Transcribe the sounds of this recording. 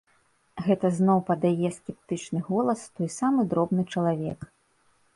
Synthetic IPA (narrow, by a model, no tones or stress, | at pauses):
ɣɛt̪ɐznɔwpɐd̪ajɛsʲkʲɛp̚t̪ɨt͡ʂnɨɣɔlˠɐst̪ɔjsamɨd̪ɾɔbnɨt͡ʂɐlˠavʲɛ̰k